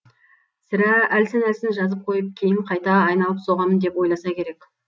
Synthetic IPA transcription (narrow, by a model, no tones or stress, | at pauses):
sɪɾæælsɪnælsɪnʒɑzəp̚qʰo̞jəp̚kʲʰe̞jɪɴqʰɑjt̪ɑːjnɑlˠəpso̞ʁɑmənd̪e̞pwo̞jlˠɑsɑkʲʰe̞ɾe̞k